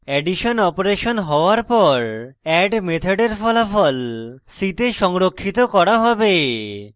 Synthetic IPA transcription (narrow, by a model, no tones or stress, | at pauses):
ɛɖiʃonɔpoɾeʃonɦɔoaɾpɔɾɛɖmet̪ʰaɖeɾfɔlafɔlsit̪eʃɔŋɾokʰːit̪okɔɾaɦɔbe